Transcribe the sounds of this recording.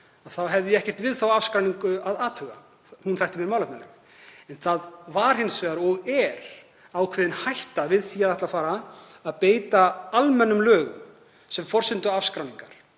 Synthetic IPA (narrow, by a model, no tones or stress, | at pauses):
aðθawɦɛvðɪɛhcɛr̥t̪vɪðθawafskɾawniŋkʏaðaːt̪hʏɣa̰ | hunfajht̪ɪmjɛnmawlahnalɛ̰x | ɛnθaðvaɾ̥hɪnːsvɛːɣðaɾɔɣɛɾ̥ | awkʰv̥ɛːðɪnhajht̪avɪðθiaðɛht̪lafaːɾaːðpeːjt̪aalmɛnːʏmlœːɣʏ̰m | sɛmfɔr̥sɪnt̪ʏafskɾawniŋkaɾ̥